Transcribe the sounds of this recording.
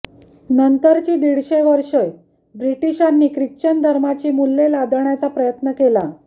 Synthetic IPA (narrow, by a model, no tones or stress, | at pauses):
nənt̪əɾt͡ɕiːd̪iɽɕeʋəɾʂəj | bɾiʈiɕanːiːkɾikt͡ɕənd̪ʱəɾmat͡ɕiːmulːelad̪ɳjat͡sapɾəjət̪nəkela